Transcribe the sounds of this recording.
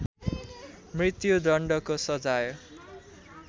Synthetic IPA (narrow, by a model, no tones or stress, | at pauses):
mrit̪jud̪ʌɳɖʌkosʌd͡zaj